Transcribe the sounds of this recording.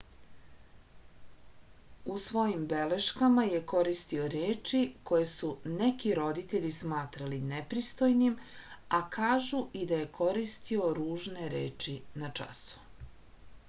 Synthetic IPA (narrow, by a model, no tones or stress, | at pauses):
usʋo̞jimbe̞le̞ʃkamaje̞ko̞ɾist̪io̞ɾeːt͡ʃiko̞je̞sunekiɾo̞d̪it̪e̞ʎismaːt̪ɾalinepɾist̪o̞jnimakʰaːʒuʔid̪aje̞kʰo̞ɾist̪io̞ɾuːʒneɾeːt͡ʃinat͡ʂa̰su̥